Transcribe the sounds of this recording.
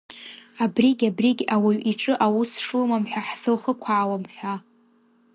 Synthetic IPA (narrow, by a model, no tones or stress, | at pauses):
abriɡʲabriɡʲawiɥʷiʈ͡ʂʼɨʔawusʂumamħʷᶣaħzɨlχəkʷʰaʕːwamħʷᶣa